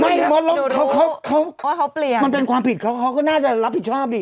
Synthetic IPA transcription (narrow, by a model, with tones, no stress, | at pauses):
ma˧˩mo˦˥t̪̚lo˦˥kʰa˦˥kʰa˦˥wkʰa˦˥wkli˨˩ma˧npe˧nkʰwaː˧mpʰi˨˩t̪̚kʰa˦˥wkʰa˦˥wkɔː˥˩naː˥˩t͡ɕa˨˩ɾa˦˥p̚hi˨˩t̪̚t͡ɕʰɔː˥˩p̚diː˧˩